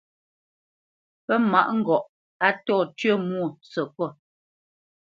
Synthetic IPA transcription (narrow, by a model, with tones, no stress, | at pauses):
pɛ˦ma˨ʔŋ̩˦ɡɔ˨ʔ | a˦tɔː˦˨tɥə˦˨mwu˦˨sə˨kɔ˦˨